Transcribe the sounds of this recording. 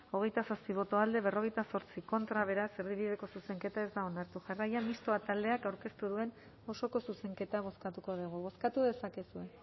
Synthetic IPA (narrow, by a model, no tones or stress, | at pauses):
o̞ɣ̞e̞jt̪asaspiβ̞o̞t̪o̞ald̪e̞β̞e̞ro̞ɣ̞e̞jt̪aso̞ɾt͡siko̞nt̪ɾaβ̞e̞ɾaseɾðiβiðe̞ko̞suse̞ŋke̞t̪ae̞zd̪ao̞naɾt̪uʝarajamist̪oat̪ald̪e̞akawɾke̞st̪uðue̞n | o̞so̞ko̞suse̞ŋke̞t̪aβ̞o̞skat̪uko̞ð̞uɣ̞uβ̞o̞skat̪uðe̞sake̞sue̞